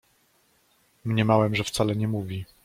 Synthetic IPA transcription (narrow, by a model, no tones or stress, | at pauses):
mɲɛmawɛmʐɛft̪salɛɲɛmuvʲi